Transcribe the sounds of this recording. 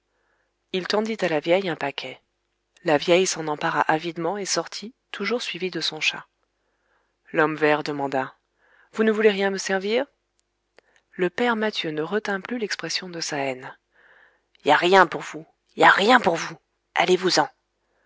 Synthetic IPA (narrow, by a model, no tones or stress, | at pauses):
ilt̪ɑ̃d̪it̪alavjɛjɛ̃pakʲʰɛ | lavjɛjsɑ̃nɑ̃paʁa̰ʔavid̪mɑ̃esɔʁt̪ʰit̪ʰuʒuʁsɥivid̪əsɔ̃ʃa̰ | lɔmvɛʁd̪əmɑ̃d̪a | vunəvuleʁjɛ̃məsɛʁviːʁ | ləpɛʁmat̪jønəʁət̪ɛ̃plylɛkspχɛsjɔ̃d̪əsaɛn | iljaʁjɛ̃puʁvu | iljaʁjɛ̃puʁvu | a̰levuzɑ̃